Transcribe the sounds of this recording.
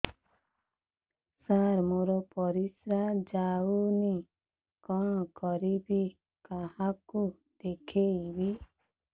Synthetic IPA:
saɾmoɾɔpɔɾisɾad͡ʒauni | kɔɳ̃ɔkɔɾibi | kahaku | d̪̥ekʰeibi

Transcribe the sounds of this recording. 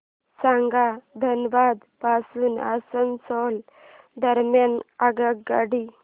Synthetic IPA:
sãŋɡad̪ʱənʋad̪pasuːna̰sənsɔl | d̪əɾmjanaɡaɡɡaɽi

